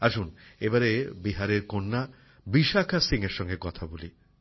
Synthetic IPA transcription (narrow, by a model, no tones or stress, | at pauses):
aʃunebaɾebiɦaɾeɾkonːa | biʃakʰasiŋeɾʃɔŋɡekɔt̪ʰaboli